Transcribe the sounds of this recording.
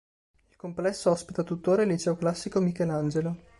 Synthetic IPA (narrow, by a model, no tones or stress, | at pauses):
ilkomplɛsːoɔspit̪at̪ut̪ːoːɾaelːit͡ʃɛoklasːikomikeland͡ʒelo